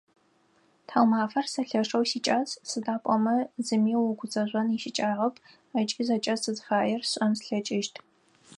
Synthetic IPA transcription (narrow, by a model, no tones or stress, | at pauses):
tʰawmaːfɐrsɐɬɐʂɐwsiːt͡ʃʼaːzsɨdaːpʷʼɔmɐzɨmiːwɔɡʷʊt͡sʼɐʑʷʼɔniʃɪt͡ʃʼaːʁɐpʰʼ | ɐt͡ʃʼizɐt͡ʃʼɐsɨzfaːjɛrɕʷʼɐmsɬɐt͡ʃʼɪʃtʰ